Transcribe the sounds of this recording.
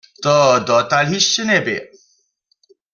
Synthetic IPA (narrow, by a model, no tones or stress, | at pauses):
t̪ɔd̪ɔt̪alɦiʃːenebḛ